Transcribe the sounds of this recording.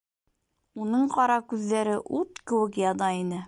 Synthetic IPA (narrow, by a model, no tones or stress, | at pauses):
unɤɴqɑɾɑkʉðːæɾɘʔut̪kɘ̆wɘkjɑd̪ɑinɘ